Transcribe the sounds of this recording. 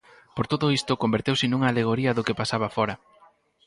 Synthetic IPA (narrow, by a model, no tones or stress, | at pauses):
poɾt̪oðʊist̪ʊkombeɾt̪ewsɪnuŋɐːleɣ̞oɾiɐðokepasaβɐfɔɾɐ